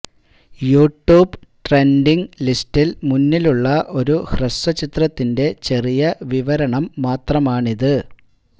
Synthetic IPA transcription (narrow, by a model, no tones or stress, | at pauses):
juːʈːuːbʈre̞ndiŋlistilmunːiluɭːɐʔo̞ɾuhresɐt͡ɕit̪rɐt̪ːinde̞t͡ɕe̞rijɐʋiʋɐɾɐɳɐmːaːt̪rɐmaːɳiðɨ